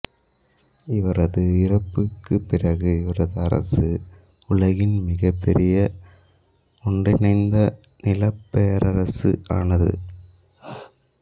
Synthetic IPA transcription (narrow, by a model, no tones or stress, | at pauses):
ɪʋɐɾɐðɯɪrɐpːɯkːɯpːɪrɐɣɯɪʋɐɾɐðɯɐɾɐ̰sɯ | ʊlɐɣɪnmɪɣɐpːɛɾɪjɐ | ɔɳdɪnɐɪnd̪ɐ | nɪlɐpːɛjɐɾɐɾɐsɯ̰ʔa̰ːnɐðɯ̰